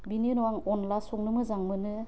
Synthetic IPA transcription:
bininɔaŋɔnlasɔŋnɯmɯzaŋmɯnɯ

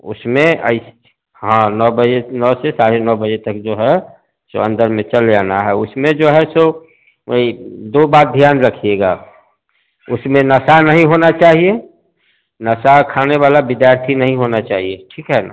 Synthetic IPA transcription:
ʊ̰smẽə̰ɪs | ɦãnɔːbəd͡ʒenɔːsesaɾenɔːbəd͡ʒet̪ək̚d͡ʒoːɦɛ | so̰ə̃nd̪əɾmẽt͡ʃəld͡ʒaːnaɦɛʊsmẽd͡ʒoɦɛso | id̪obaːt̪̚d̪ʱjaːnɾəkʰieɡa̰ː | ʊsmẽnəsanəɦĩɦonat͡ʃaːɦie | nəsakʰaːneʋaːlabɪd̪jaːɾt̪ʰinəɦĩɦonat͡ʃaːɦieʈʰiːkɦɛna̰

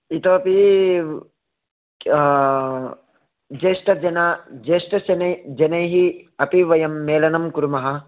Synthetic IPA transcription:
it̪oːɐpi | d͡ʒeːʂʈɐd͡ʒɐnad͡ʒeːʂʈɐsɐnɐd͡ʒɐnɐjɦiɐpiʋɐjɐmːeːlɐnɐmkuɾumɐɦɐ

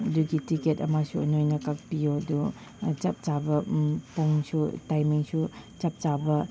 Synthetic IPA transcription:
duɡitiketɐmasuɐ̰nojnɐkak̚pijodu | t͡ʃɐp̚t͡ʃabɐpoŋsutajmiŋsut͡ʃap̚t͡ʃabɐ

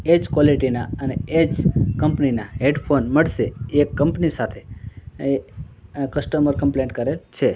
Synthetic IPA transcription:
ed͡ʒkwoliʈinaəneed͡ʒkəmpninaɦeɖpʰonməɽʃeekːəmpnisat̪ʰee | kəsʈəməɾkəmpleɳʈkəɾelt͡ʃʰe

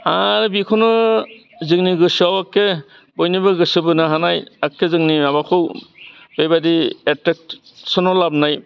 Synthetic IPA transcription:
aɾbikʰɔnɯ | zɯŋniɡɯsawakːe | bɔjnibɯɡɯsɯbɯnaɦanajakːezɯŋniabakʰɯw | b̥ejbadietek̚ | sɔnɔlab̚naj

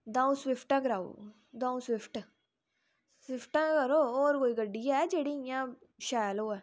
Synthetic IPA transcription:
d̪ãːũswɪpʰʈãːkəɾaːṵː | d̪ãːũːswɪpʰʈ | swɪpʰʈãːkəɾoːɔːɾkoːiːɡəɖːiːɛːd͡ʒeːɽiːjãː | ʃɛːjloːɛː

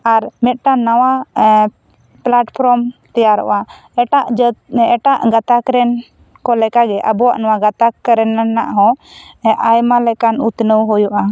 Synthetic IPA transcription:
aɾmɛt̪̚ˀʈanawa | plaʈpʰɾɔmt̪ɛjaɾɔ̰ʔa | ɛʈaʔd͡ʒɛʈaʔɡat̪akɾɛn | kɔlɛkaɡɛʔə̰bɔwa̰ʔnawaɡat̪akəɾɛnːanːa̰ʔɦɔ̃ʔajmalɛkanut̪nəwɦɔjuʔa

